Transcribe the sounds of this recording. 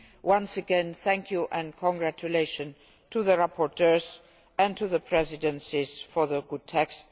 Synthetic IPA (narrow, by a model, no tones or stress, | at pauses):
wãnsəɡɛ̃nθæ̃ŋkʰjuʔɛ̃nkʰɔ̃ŋɡɹæt͡ʃuleɪʃə̃n | tʰuðəɹapʰɔɹtʰɜ˞z | æ̃ntʰuðəpʰɹɛzɪdə̃nsiz̥fɔ˞ðəɡʊd̚tʰɛkst